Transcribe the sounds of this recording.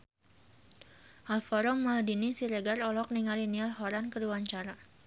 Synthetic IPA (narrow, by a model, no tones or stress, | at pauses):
ʔalfɔɾɔmːadinisiɾeɡarɔlɔk̚niŋalinialɦɔɾankəɾuwaɲt͡ʃaɾa